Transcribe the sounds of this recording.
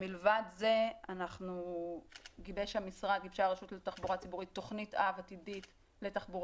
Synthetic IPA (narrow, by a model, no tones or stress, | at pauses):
milvadzeanaχnu | ɡibeʃhamisʁad̚ɡibʃaʁaʃutletaχbuʁat͡sibuʁit̪ːo̞χnitavatidit | le̞taχbuʁ